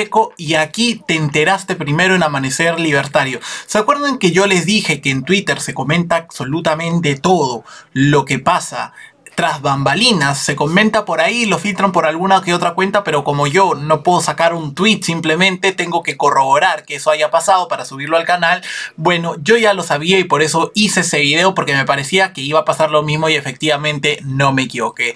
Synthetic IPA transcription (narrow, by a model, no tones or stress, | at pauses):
eko̞iakit̪e̞ːnt̪e̞ɾast̪e̞pɾime̞ɾo̞e̞namane̞se̞ɾliβ̞e̞ɾt̪aɾjo̞seakwe̞ɾðoeŋke̞ʝo̞le̞zðixe̞ke̞ːnt̪wit̪e̞ɾse̞ko̞mẽ̞nt̪aːβso̞lut̪amẽ̞nt̪e̞t̪o̞ð̞o̞lo̞ke̞pasa | t̪ɾazβambalinasːe̞ko̞mẽ̞nt̪apo̞ɾailo̞filt̪ɾampo̞ɾalɣunakeot̪ɾakwe̞nt̪ape̞ɾo̞ko̞mo̞ʝo̞no̞pwe̞ð̞o̞sakaɾunt̪wit̪simple̞mẽ̞nt̪e̞t̪e̞ŋɡo̞ke̞ko̞ro̞βo̞ɾaɾkeeso̞aʝapasað̞o̞paɾasuβiɾlo̞alkanalbwe̞no̞ʝo̞ʝalo̞saβiaipo̞ɾe̞so̞iseese̞βiðe̞o̞po̞ɾke̞me̞paɾe̞siakeiβaːpasaɾlo̞mizmo̞ie̞fe̞k̚t̪iβamẽ̞nt̪e̞no̞me̞ːkiβo̞ke̞